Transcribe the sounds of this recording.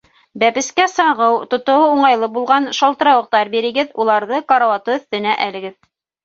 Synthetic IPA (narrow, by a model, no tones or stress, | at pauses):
bæpɘ̆skæsɑʁɤwt̪ŏt̪ŏwɤuɴɑjlˠɤbulˠʁɑnʃɑlˠt̪ɤ̆ɾɑwɤ̆q̚t̪ɑɾbiɾɘ̆ɡɘðulˠɑɾðɤkɑɾɑwɑt̪ɤɵ̆θt̪ɘ̆næʔælɘ̆ɡɘð